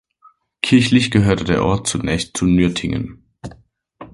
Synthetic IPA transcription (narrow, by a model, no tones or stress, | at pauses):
kʰɪɐçlɪçɡ̥əɦøːɐtədeːɐʔɔɐt̚t͡sunɛːçstt͡sunyɐtʰɪŋə̰n